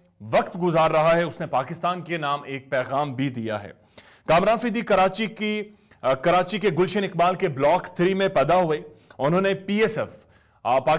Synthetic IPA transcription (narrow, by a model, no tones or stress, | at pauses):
ʋɐqt̪ɡʊzaːɾːɐɦaɦɛʊsnepaːkɪst̪aːnkenaːmeːk̚pɛːɣaːmbʱid̪ija̰ɦɛ̰ː | kaːmɾaːnfid̪ikɐɾaːt͡ʃiki | kɐɾaːt͡ʃikeɡʊlʃənɪk̚baːlkeblɔːkt̪ʰɾiːmẽpɛd̪aɦʊeʊnɦõːnepiːesɛf | paː